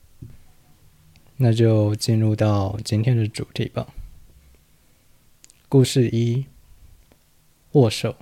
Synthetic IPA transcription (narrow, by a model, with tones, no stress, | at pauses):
na˥˧t͡ɕjo˥˧ʊt͡ɕi˥˧nɻu˥˧t̪ɑ˥˩ʊt͡ɕi˥nt̪ʰjɛ˥nd̪ə˨ʈ͡ʂṵ˨˩˦t̪ʰḭ˨˩bɐ̰˨˦ | ku˥˧ʂɻ̩˥˩i˥ | wɔ˥˩ʂo˨˩˦ʊ